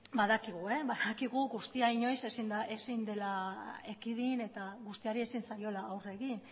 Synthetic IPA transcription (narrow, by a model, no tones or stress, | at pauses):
baðakiɣ̞ue̞baðakiɣ̞uɣust̪iaiɲo̞jse̞sind̪aʔe̞sind̪e̞laekiðine̞t̪aɣust̪iaɾie̞sinsajo̞laːwre̞ɣin